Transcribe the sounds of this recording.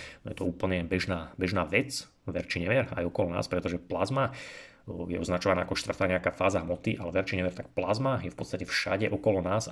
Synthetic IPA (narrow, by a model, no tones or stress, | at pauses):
nɔjɛt̪ɔuːpl̩ɲɛbɛʒnaːbɛʒnaːʋɛt͡s | ʋɛɾt͡ʃiɲɛʋɪɛɾa̰jɔkɔlɔna̰ːspɾɛt̪ɔʒɛplazma | jɛɔznat͡ʃɔʋanaːʔakɔʃt̪r̩t̪aːɲɛakaːfaːzaɦmɔt̪iʔalɛʋɛɾt͡ʃiɲɛʋɛɾt̪ak̚plazmajɛfpɔt̪t͡st̪acɛfʃa̰ɟɛʔɔkɔlɔnaːs